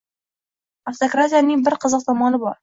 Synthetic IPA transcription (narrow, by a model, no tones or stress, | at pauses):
aft̪okɾat̪ʲijanɪŋbɪɾqʰɨzɨq̚t̪ʰɒmɒnɪbɒɾ